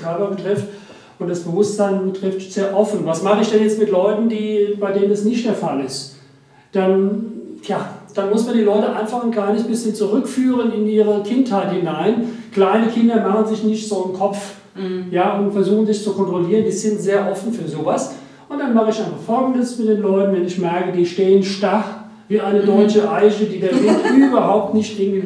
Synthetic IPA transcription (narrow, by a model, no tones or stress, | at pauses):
kʰœɐpɐbətʁ̥ɪft | ʔʊntd̥asb̥əvʊsz̥aɪnbətʁ̥ɪftz̥eːɐʔɔfn̩vasmaχəɪçd̥ɛnjɛt͡stmɪtlɔʏtn̩diːbaɪdeːnəndasnɪçt̚d̥eːɐfalɪst | d̥anjaːd̥anmʊsmandiːlɔʏtəʔaɪnfaχnɡaɐnɪçt̚b̥ɪsçənt͡suʁʏkfyːʁ̞ənɪnʔiːʁ̞əkʰɪnthaɪthɪnaɪnkl̥aɪnəkʰɪndɐmaχən̩zɪçnɪçtz̥oːəmkʰɔp͡f | jaːʊntfɛɐzuːχn̩zɪçt͡sukʰɔntʁ̥oliːʁ̞əndiːzɪntz̥eːɐʔɔfn̩fyːɐzoːvas | ʔʊntd̥anmaχəɪçaɪnfaχfɔlɡŋ̩dəsmɪt̚d̥eːnlɔʏtn̩vɛnɪçmɛɐkədiːʃteːənʃtaχ | viːʔaɪnədɔʏt͡ʃəʔaɪʃədiːdeːɐvɪtʔʔyːbɐhaʊp̚tnɪçtʔɪɡŋtvi